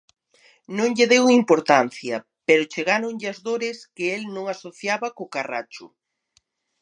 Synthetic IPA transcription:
nõŋʎɪðewimpoɾt̪an̟θjɐ | peɾʊt͡ʃeɣaɾoŋʎɪɐzðoɾɪskɪelnõŋasoθjaβɐkokara̰t͡ʃʊ̰

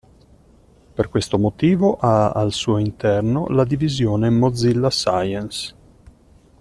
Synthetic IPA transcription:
perkwest̪omot̪iːvoʔaalsuːoint̪ɛrno̰lad̪ivizjoːnemod̪zːilːasajens

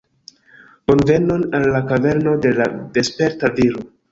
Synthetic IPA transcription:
onve̞nonalːakave̞ɾno̞de̞lade̞spe̞ɾtaviɾo

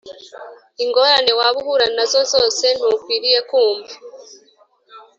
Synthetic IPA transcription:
iŋɡo̞ːɾane̞waβuhuɾanazo̞zo̞ːse̞n̥hukwiːɾije̞kuːmva

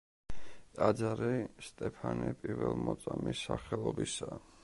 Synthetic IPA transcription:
t̪ʼad̪zaɾɛst̪ʼɛpʰanɛpʼiɾvɛlˠmɔt̪sʼamisːaχɛlˠɔbisa

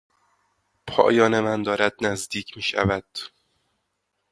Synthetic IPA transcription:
pʰɒ̰ːjɒːnemænd̪ɒːɾæd̪̚næzd̪iːcʰmiːʃæ̰væd̪̥

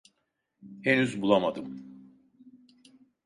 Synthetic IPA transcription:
enyzbulˠamad̪ɯm

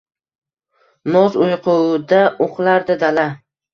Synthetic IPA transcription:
nɒzojqʰʊwd̪aoqlˠaɾd̪ad̪ala

